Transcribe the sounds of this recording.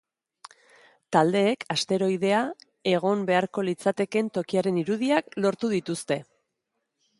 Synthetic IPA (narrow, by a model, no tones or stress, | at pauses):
t̪ald̪e̞ːkʰast̪e̞ɾo̞ið̞e̞a | e̞ɣ̞o̞mbe̞aɾko̞lit͡sat̪e̞ke̞nt̪o̞kiaɾe̞niɾuðiaklo̞ɾt̪uð̞it̪ust̪e̞